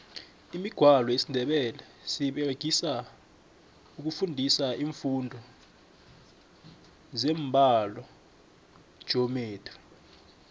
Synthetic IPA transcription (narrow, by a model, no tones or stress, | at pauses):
imiɡ̥ʱwalɔesindʱɛɓɛlɛ | siɓeɡ̥ʱisa | uk̬ufundʱisaʔiːɱfundʱɔ | zɛːmbʱalɔ | ʒ̥ʱɔmeːtʰi̥